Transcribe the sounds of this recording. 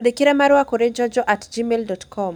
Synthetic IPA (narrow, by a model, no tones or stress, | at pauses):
dikiɾɛmaɾwakoɾed͡ʒɔd͡ʒɔʔatd͡ʒimeldɔtkʰɔm